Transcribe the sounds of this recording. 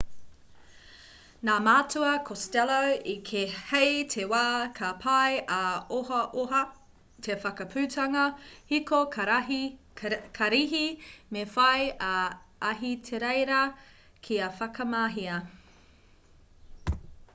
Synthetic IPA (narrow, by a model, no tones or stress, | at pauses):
naːmaːtuɐkʰostɛlowikʰehejtʰewaːkʰɐpʰɐjɐoɦɐʔoɦɐ | tʰefɐkɐpʰʉːtʰɐŋɐhikokʰɐɾɐ | kʰɐɾiɦimefɐjɐɐɦitʰeɾejɾɐ | kʰiɐfɐkɐmaɦiɐ